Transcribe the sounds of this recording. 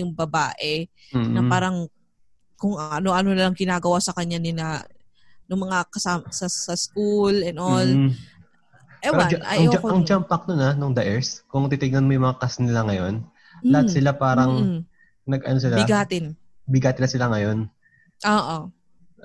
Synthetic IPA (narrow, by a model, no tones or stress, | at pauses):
jʊŋbɐbaːʔɛ | nɐpaːɾɐŋ | kʊŋɐno̞ʔɐnonɐlɐŋɡɪnaːɡɐwasɐkɐɲːanɪlɐ | nʊŋmɐŋakɐsamsɐsɐskulɛnʔol | ɛɛɾanʔɐ̰jŋokɐŋd͡ʒampɐk̚nonɐnʊŋd̪aʔɛɹskʊŋt̪it̪ɪŋnɐnmojʊmɐŋakasnɪlaŋɐjo̞n | lɐhasɪlapaːɾɐŋ | nɐɡɐnosɪlabɪɡaːt̪ɪn | bɪɡaːt̪ɪnɐsɪlaŋɐjo̞n | ʔoːʔo